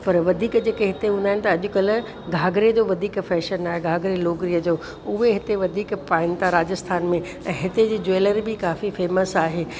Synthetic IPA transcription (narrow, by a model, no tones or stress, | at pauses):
pɐɾʋɐd̪ʱiːkd͡ʑeːkeɦɪt̪eɦũːnd̪aːɦɪnɪ̆t̪ɐɐʄʊ̆kɐl̆ | ɡʱaːɡɾed͡ʑoːʋɐd̪ʱiːkfɛːʃənaːɦeɡʱaːɡɾeloːɡɾiːəd͡ʑoː | ʊɦeɦɪt̪eʋɐd̪ʱiːkpaːɪnt̪aɾaːd͡ʑəst̪ʰaːnmẽ | ɛ̃ːɦɪt̪ed͡ʑiːd͡ʑoːləɾbɪkaːfifeːməsaːɦeː